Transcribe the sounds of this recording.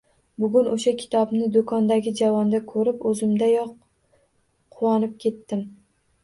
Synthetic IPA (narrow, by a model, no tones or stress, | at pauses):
bʊɡʲʊnʔoʃakʲʰɪ̥t̪ʰɒbnɪd̪okʰɒnd̪aɡʲɪd͡ʒavɒnd̪akʰɵɾɪpɵzɪmd̪ajɒq | qʰʊwɒnɪp̚kʲʰe̞t̪ːɪm